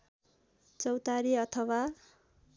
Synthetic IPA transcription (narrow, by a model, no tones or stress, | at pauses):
t͡sʌwt̪aɾiʌt̪ʰʌwa